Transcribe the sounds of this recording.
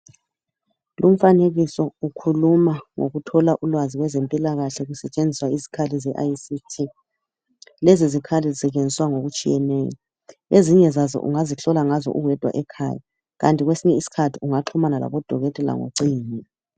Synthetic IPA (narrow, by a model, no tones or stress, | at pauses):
lum̩faneɣisɔukʰulumaŋo̰ɣutʰɔlaʔulwaziɣwɛzempʼilaɣaɬɛɣusɛt͡ʃʼend͡zʱiswaizi̥kʰalizɛʔajsitʰi | lɛzizikʰalizɛɣend͡zʱiswaŋoɣut͡ʃʼijɛnɛːjɔ̰ | eziɲɛzazɔ̰ʔṵŋaziɬɔlaŋazɔ̰ʔuɣwɛd̥ʱwa̰ʔɛkʰa̰ːja | ɣa̰ntʼiɣwesiɲɛisi̥kʰatʰiuŋaǁʰɔmanala̰βɔd̥ʱɔɣɛtʼɛla̰ŋo̰ǀiːni